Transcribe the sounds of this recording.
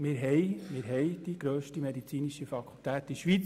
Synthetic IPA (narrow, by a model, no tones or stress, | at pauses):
mɪːɾɦɛjmɪːɾɦɛjd̥iɡ̥ɾøːʃtimɛd̪it͡siːniʃəfɑkʰult̪æːt̪iʃʋit͡s